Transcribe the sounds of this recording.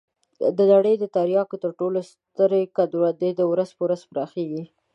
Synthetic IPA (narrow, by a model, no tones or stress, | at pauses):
d̪ənaɽəjd̪ət̪aɾjɑkot̪əɾʈolos | t̪əɾekad̪ɾwad̪ed̪əwɾazpəwɾazpəɾɑxeɡi